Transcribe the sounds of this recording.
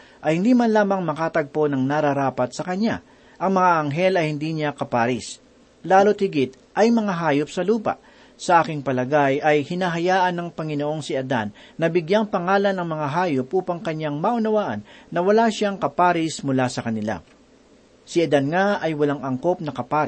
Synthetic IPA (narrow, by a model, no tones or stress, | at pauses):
ʔɐjhɪnd̪iːmɐnlaːmɐŋmɐkaːt̪ɐɡ̚po̞nɐŋnɐɾɐɾaːpɐt̪̚sɐkɐɲa̰ | ʔɐŋmɐŋaʔɐŋɦɛlɐjhɪnd̪iːɲakɐpaːɾɪs | laːlot̪̚hɪɡɪt̪̚ | ʔɐjmɐŋaɦaːjop̚sɐluːpa̰ʔ | sɐʔaːkɪŋpɐlɐɡajɐjhɪnaːɦɐjaːʔɐnːɐŋpɐŋɪnoʔo̞ŋsɪɐd̪a̰nːɐbɪɡjaŋpɐŋaːlɐnɐŋmɐŋaɦaːjopʔuːpɐŋkɐɲːaŋmaʔʊnɐwaːʔɐ̰nːɐwɐlaʃaŋkɐpaːɾɪsmʊlasɐkɐnɪla̰ | sɪʔɐd̪anŋaɐjwɐlaŋɐŋko̞p̚nɐkɐpaːɾɪ